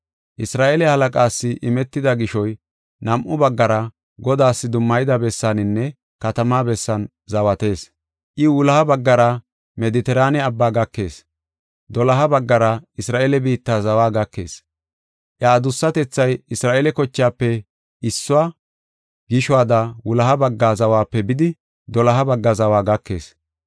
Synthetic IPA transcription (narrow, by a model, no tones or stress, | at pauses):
ʔɪsɾaːʔelɛhɐlɐkʼaːsːɪʔɪmɛt̪ːɪd̪ɐɡɪʃɔj | nɐmʔʊbɐɡːɐɾɐ | ɡɔd̪aːsːɪd̪ʊmːɐjd̪ɐbɛsːanɪnːɛ | kɐt̪ɐmaːbɛsːɐn | zɐwɐt̪e̞ːs | ʔɪʊlɐhɐbɐɡːɐɾɐ | mɛd̪ɪt̪ɛɾaːnɛɐbːaːɡɐkːe̞ːs | d̪ɔlɐɦɐbɐɡːɐɾɐɪsɾaːʔelɛbiːt̪ːaːzɐwaːɡɐkːe̞̰ːs | ʔjaːd̪ʊsːɐt̪ɛt͡sːɐjɪsɾaːʔelɛkɔt͡ʃːɪjaːpːɛ | ɪsːʊwaː | ɡɪʃʊwaːd̪ɐwʊlɐɦɐbɐɡːaːzɐwaːpːɛbɪd̪ɪ | d̪ɔlɐɦɐbɐɡːɐzɐwaːɡɐkːe̞̰ːs